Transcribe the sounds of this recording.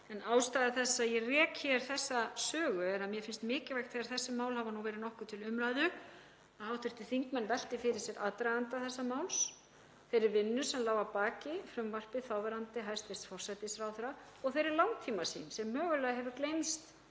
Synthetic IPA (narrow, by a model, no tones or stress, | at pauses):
ɛnaːwst̪ajðɪθɛsːaðjɛrɛːkçɛɾ̥θɛsːasœːɣʏɛɾaðmjɛfɪnst̪mɪːcɪɾvɛjxt̪θeɣaɾθɛsːʏmaːwlhavanuwvɛːɾɪðnɔhkʏt̪ʰɪlʏmɾajðʏ | aawt̪ʏɾ̥t̪ɪθiŋkmɛnːvɛl̥t̪ɪfɪɾɪɾ̥sjɛɾʔat̪ɾaðant̪aθɛsːamaːwls | θejɾɪɾvɪnːʏsɛmlaːwvapaːcɪfɾʏmvar̥pɪθawvɛɾant̪ɪɦajst̪fɛssfɔr̥sajt̪ɪsfɾawθɛɾa | ɔɣθejɾɪɾlawŋt̪ʰiːmasḭnsɛmːœːɣʏlɛɣɦɛvʏɾklejnst̪